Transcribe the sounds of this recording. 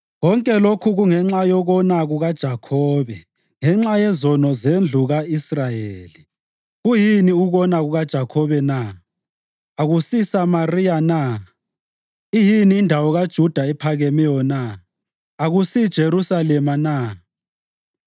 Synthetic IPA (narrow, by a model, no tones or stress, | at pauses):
ɣɔŋkʼɛlokʰuɣuŋɛŋ͡ǁajɔɣɔnaɣuɣad̥ʒ̥ʱakʰɔːβɛ | ŋɛŋ͡ǁajɛzɔnɔzend͡ɮʱuɣaisrajeːli | ɣujiniuɣɔnaɣuɣad̥ʒ̥ʱakʰɔβɛna | aɣusisamarijana | ijiniːndʱawɔɣad̥ʒ̥ʱud̥ʱaɛpʰaɣɛmijɔna | aɣusid̥ʒ̥ʱeɾusalɛmana